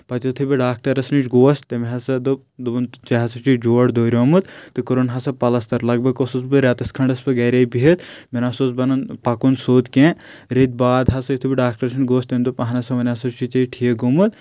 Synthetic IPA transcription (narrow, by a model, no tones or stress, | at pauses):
pɐt̪ʲɐt̪ʰɨbiɖaːk̚ʈɐɾɐsnit͡ʃɡoːɐst̪ɐmiɦɐsɐd̪u | d̪nt͡ʃɐɦɐsɐt͡ʃid͡ʒoːɐɽd̪oːɾʲoːmɨt̪̚t̪ːɨkuɾonɦɐsɐpɐlɐst̪ɐɾlɐɡ̚bʱɐɡkososbɨɾʲaːt̪ɐskʰɐɳɖɐspɨɡɐɾʲaːjbiɦɐt̪menasozbɐnɐnpɐkunsoːt̪kẽɾet̪̚baːd̪ɦɐsɐjut̪ʰubiɖaːk̚ʈɐɾɐsnɡoːst̪ɐmʲd̪upɐɦɐnɐsɐʋɐnʲaːsɐt͡ʃit͡ʃɐiʈʰieɡomɨt̪̚